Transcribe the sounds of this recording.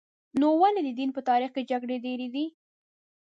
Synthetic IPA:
nowaled̪əd̪inpət̪ɑɾixked͡ʒaɡɽed̪eɾed̪i

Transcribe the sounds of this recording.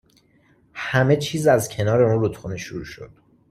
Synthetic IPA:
hæme̞t͡ʃʰiːzæzcʰe̞nɒːɾe̞unrut̪xuneʃoɾṵːʃo̞̰d̪̥

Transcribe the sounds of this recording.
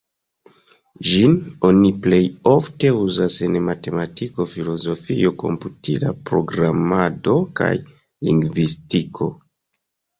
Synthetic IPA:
ʒino̞niple̞jo̞fte̞uzase̞nmate̞matiko̞filo̞zo̞fio̞ko̞̰mputʰilapɾo̞ɡɾamado̞ka̰j | liŋɡvistikʰo̞̰

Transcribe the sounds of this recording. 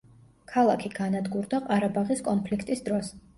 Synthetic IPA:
kʰalˠakʰiɡanad̪ɡuɾd̪aqʼaɾabaʁiskʼɔnpʰlikʰt̪ʼisd̪ɾɔs

